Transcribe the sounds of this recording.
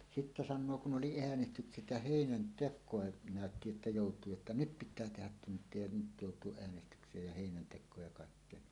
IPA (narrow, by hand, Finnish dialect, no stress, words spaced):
sitːæ sɑnːoː kun ʔoli eænestykset jɑ heˑinæntekˑoˑe næˑøtːi etːæ joˑutˑuː jotːɑ nyt pitˑæː tehæt tuntˑie jɑ nyt joˑutˑuoʔ ʔeænestykseːj jɑ heˑinæntekˑoːj jɑ kɑˑikːeːn